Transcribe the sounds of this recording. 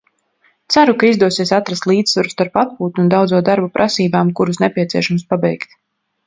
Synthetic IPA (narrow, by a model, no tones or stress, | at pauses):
t̪saɾukaizd̪uɔsiɛsat̪ɾast̪lˠiːd̪svaɾust̪aɾpat̪̚puːt̪uund̪awd̪zuɔd̪aɾbupɾʔasiːbaːmkuɾusnɛpʲiɛt̪siɛʃamspabɛjkt̪